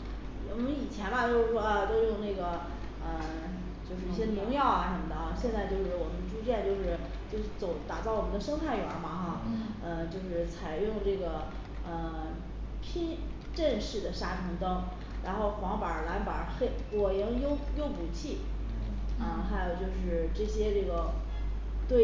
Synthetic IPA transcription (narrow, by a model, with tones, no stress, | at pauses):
wɔ˨˩mə˦ni˨˩t͡ɕʰjɛ˧˥nba˧t͡ɕjo˥˧ʊʂɻ̩˥˩ʂwɔ˥ə˧t̪o˥˧ʊjʊ˥˧ŋna˥˩ɡə˩ | ə˧˩ | t͡ɕjo˥˧ʊʂ̬ɻ̩˥˧i˥˩ɕjɛ˥nʊ˧˥ŋjɑ˥˩ʊɐ˨˩ʂə˧˥mə˧d̪ə˧˩˧ɕjɛ˥˧nt͡sa˥˧ɪt͡ɕjo˥˧ʊʂɻ̩˥˩wɔ˨˩mə˦nd̪ə˧ʈ͡ʂʰu˥t͡ɕjɛ˥˧nt͡ɕjo˥˧ʊʂɻ̩˥˩ | t͡ɕjo˥˧ʊʂɻ̩˥˩t͡so˨˧˥ʊt̪a˨˩t͡sɑ˥˩ʊɔ˨˩ə˦nd̪ə˧ʂɤ˥ŋt̪ʰa˥˩ɪɥɛ̰˧˥mɐ˧xa˥˩ə˧t͡ɕjo˥˧ʊʂɻ̩˥˩t͡sʰa˨˩ɪjʊ˥˧ŋʈ͡ʂɤ˥˩ɡə˩ | ə˧˩ | pʰi˥n | ʈ͡ʂə˥˧nʂɻ̩˥˩d̪ə˩ʂa˥ʈ͡ʂʰi˧˥ŋt̪ɤ˥ŋ | ɻa˧˥nxo˥˩ʊxwɑ˧˥ŋpə˞˨˩˥la˧˥npa̰˨˩˥xe˥˩ɪwɔ˨˩jɛ˧˥ŋjo˥ʊjo˥ʊpu˨˩t͡ɕʰi˥˩ | ə˥˩xa˧˥ɪjo˨˩ʊt͡ɕjo˥˧ʊʂɻ̩˥˧ʈ͡ʂɤ˥˩ɕjɛ˥ʈ͡ʂɤ˥˩ɡə˩ | t̪we˥˩